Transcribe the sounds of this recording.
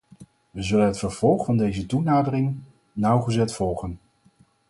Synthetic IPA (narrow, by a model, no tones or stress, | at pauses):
ʋəzɵlənɦətfəɹv̥ɔlˠχfɑndejzətunaːdərɪŋ | nʌwχəzɛtfɔlˠχən